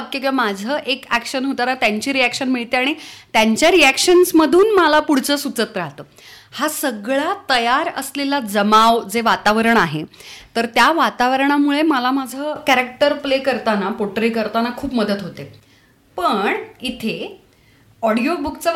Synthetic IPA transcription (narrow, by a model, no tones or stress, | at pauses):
kːikamad͡zʱəːʔekækɕənɦot̪aɾat̪jaɲt͡ɕiːɾiækʂənmiɭt̪eaɽ̃it̪jaɲt͡ɕjaɾiækɕənsməd̪ʱuːnmalapuɽ̤t͡səːsut͡sət̪ɾaɦt̪əː | hasəɡɭat̪əjaɾə̰slelad͡zəmaʋd͡zeʋat̪aʋəɾəɳaɦet̪əɾt̪jaʋat̪aʋəɾɳamuɭeməlamad͡zʱəːkæɾək̚ʈəɾplekəɾt̪anapoʈɾikəɾt̪anakʰuːpməd̪ət̪ɦot̪e | pəɳit̪ʰe | ɔɽijobukt͡sə